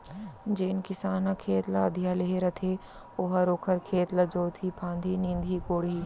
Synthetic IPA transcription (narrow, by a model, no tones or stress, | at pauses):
d͡ʒeːn̆kɪsaːnəkʰeːt̪lɐd̪ʱijaleɦeɾɐt̪ʰe | ʊɦəɾoːkʰəɾkʰeːt̪ləd͡ʒoːt̪ʰipʰãːnd̪ʱinĩːnd̪ʱiːkoːɽiː